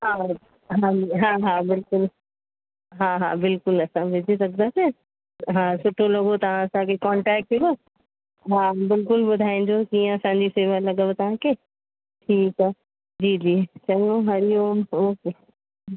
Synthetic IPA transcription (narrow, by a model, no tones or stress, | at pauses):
ɦaː | ɦaːɦaːɦaːbɪlkʊl | ɦaːɦa̰ːbɪlkʊlɐsãʋed͡ʑisɐkʰənd̪aːse | ɦaːsʊʈʰoloːɡot̪ɐʋ̤ãɐsãkʰekɔ̃ːɳʈɛːk̚ʈi | ɦaːbɪlkʊlɓʊd̪ʱaːĩɲ̆d͡ʑokiːə̃ɐsãɲd͡ʑifeːʋəɾlɐɠəʋt̪ɐʋ̤ãkʰeː | ʈʰiːk | d͡ʑiːd͡ʑiːt͡ɕɐõɦɐɾijomoːke